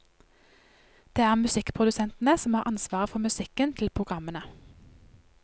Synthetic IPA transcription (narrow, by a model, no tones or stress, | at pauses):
d̪̥eːæːʁmʉsɪkpʰʁʊd̪ʉsɛnt̪n̩əsɔmhɑːʁʔɑnsʋɑːʁəfɔmʉsɪkənt̪ʰlpʰʁʊɡʁɑmənə